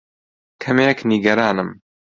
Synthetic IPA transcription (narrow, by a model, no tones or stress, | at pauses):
kʰɐmeːkniɡɐɾaːnɨm